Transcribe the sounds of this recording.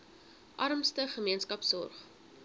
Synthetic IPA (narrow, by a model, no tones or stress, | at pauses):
ʔɐɾmstəχəmiənskɐpsɔ̰rχ